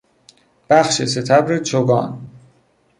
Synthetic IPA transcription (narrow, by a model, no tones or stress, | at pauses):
b̥æxʃeset̪ʰæbɾet͡ʃʰoɡɒ̰ːn